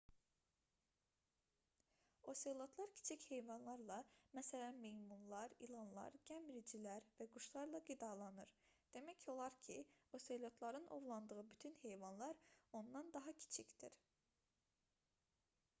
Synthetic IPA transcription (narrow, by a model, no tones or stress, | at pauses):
o̞selʲˠot̪ʰlˠɑɾcʰi̥t͡ʃʰiche̞jvɑnlˠɑɾlˠɑmæsælænmejmunlˠɑɾḭlˠɑnlˠɑ̰ɾɟ̥ʲæmɾid͡ʒilæɾvæɡuʃlˠɑɾlˠɑɡid̪ɑlˠɑnɯɾd̪̥emæcʰo̞lˠɑɾcʰio̞selʲˠo̞t̪ʰlˠɑɾɯnʔo̞̰vlˠɑnd̪ɯʁɯbyt̪ʰynhe̞jvɑnlˠɑɾo̞nd̪ɑnd̪ɑɦɑcʰi̥t͡ʃʰicd̪̥iɾ